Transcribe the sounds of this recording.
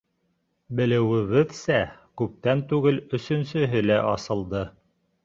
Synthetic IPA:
bɘ̆lɘ̆wɘ̆βɘðsækʉp̚t̪ænt̪ʉɡɘlɵ̆sɵ̆nsɵ̆ɦɘlæʔɑsɤ̆lˠd̪ɤ

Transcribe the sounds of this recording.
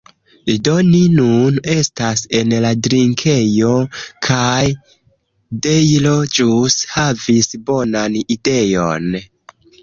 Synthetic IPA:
ido̞ninune̞stase̞nladɾiŋkʰe̞jo̞kʰaj | dejlo̞d͡ʒushavisbo̞nanide̞jo̞̰n

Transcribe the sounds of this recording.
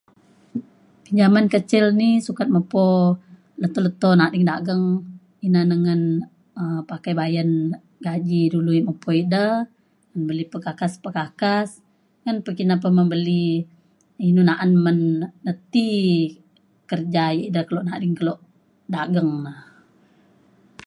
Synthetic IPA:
piɲd͡ʒamankət͡ʃɪlnisukat̪̚məpo | lət̪ɔlət̪onadiŋdaɡəŋ | inanəŋən | əpakajbajan | ɡad͡ʒiduluməpoidə | ŋənbəlipəkakaspəkakas | ŋanpəkinap̬əməmbəli | inunaʔanmənːət̪i | kərd͡ʒajiʔdəkəloʔnadɪŋkəloʔ | daɡəŋnəh

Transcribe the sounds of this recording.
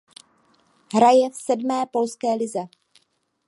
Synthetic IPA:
ɦɾajɛfsɛdmɛːpo̞lskɛːlɪzɛ

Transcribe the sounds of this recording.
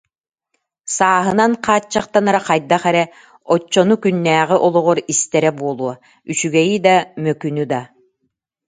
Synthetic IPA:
saːɦɯnanqʰaːt͡ɕːaqt̪anaɾaqajd̪aχɛɾɛ | ɔt͡ɕːɔnukynːæːʁiʔɔlˠɔʁuɾist̪ɛɾɛbuɔlˠuɔ | yt͡ɕyɡɛjid̪amœkynyd̪a

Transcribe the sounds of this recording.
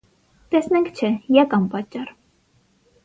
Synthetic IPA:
t̪ɛsnɛŋkʰt͡ʃʰɛjɑkɑmpɑt͡ʃːɑr

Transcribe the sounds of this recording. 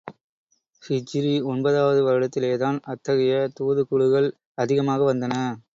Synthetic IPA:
fɪt͡ʃɪɾiɔnbɐðaːʋɐðɯʋɐɾɯɽɐt̪ːɪleːðaːnɐt̪ːɐɣɐjɐt̪uːðɯkʊɭɯɣɐɭ | ɐðɪɣɐmaːɣɐʋɐnd̪ɐnɐ

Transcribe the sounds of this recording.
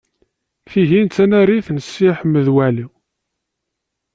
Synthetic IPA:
θiʝint͡s̪ːænæɾiθnəsːiħəmːəðwæliw

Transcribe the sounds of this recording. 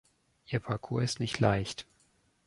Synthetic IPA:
ʔiːɐpʰaɐkʰuːɐɪstnɪçtʰlaɪçt

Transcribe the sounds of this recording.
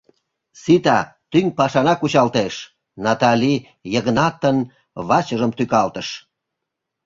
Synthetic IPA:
sit̪ɑt̪yŋpɑʃɑnɑkut͡ɕɑlt̪eʃ | nɑt̪ɑlʲi | jəɣnɑt̪ːən | βɑt͡ɕəʒəmt̪ykɑlt̪əʃ

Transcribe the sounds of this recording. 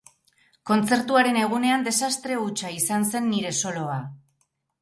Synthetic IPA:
ko̞nt͡se̞ɾt̪uaɾe̞ne̞ɣ̞une̞and̪e̞sast̪ɾe̞ut͡ʃaisanse̞nːiɾe̞so̞lo̞a

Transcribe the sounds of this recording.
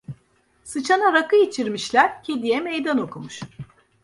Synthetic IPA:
sɯt͡ʃʰanaɾakɯjit͡ʃʰiɾmiʃlʲæɾ̥cʰed̪ijɛmejd̪ano̞kʰumuʃ

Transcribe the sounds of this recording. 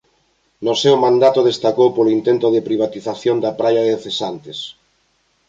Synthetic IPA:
nosewmãnd̪at̪oðest̪akowpolint̪ent̪oðɪpɾiβ̞at̪iθaθjond̪ɐpɾajaðeθesant̪es

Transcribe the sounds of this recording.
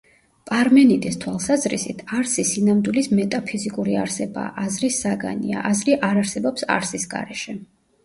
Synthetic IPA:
pʼaɾmɛnit̪ʼist̪ʰwalˠsazɾisit̪ʰaɾsisinamd̪wilismɛt̪ʼapʰizikʼuɾiaɾsɛba̰ʔazɾisːaɡa̰nia̰ʔazɾiʔaɾaɾsɛbɔpsa̰ɾsisɡa̰ɾɛʃɛ

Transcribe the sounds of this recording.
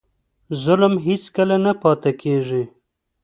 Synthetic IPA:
zʊlmɦit͡skəlanapɑt̪akʰeʐi

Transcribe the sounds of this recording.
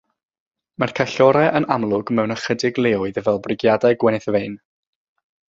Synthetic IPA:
markʰaɬɔɾɛʔənamlˠʊɡmɛwnəχədɪɡlˠeːʊɨðəvɛlˠbrɪɡjadajɡwɛnɪθvejn

